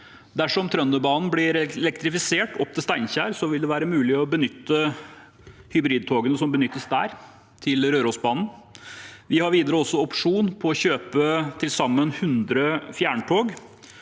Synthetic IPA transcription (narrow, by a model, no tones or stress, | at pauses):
d̪æʂɔmt̪ʰɾœnːəbɑːnn̩blɪɾɛlɛkt̪ɾɪfɪseːʈɔp̚t̪ʰɪlst̪æɪnçæːɾsɔʋɪld̪ɛʋæːɾəmʉːlɪɔbənʏt̪ːə | hʏbɾiːd̪̚t̪ʰoːɡənəsɔmbənʏt̪ːəsd̪æːɾ | t̪ʰɪlɾøːɾɔːsbɑːnn̩ | ʋɪhɑɾʋiːd̪əɾəɔsːɔɔpʂuːnpʰɔːçøːpət̪ʰɪlsɑmːənhʉnd̪ɾəfjæːɳʈʰoːɡ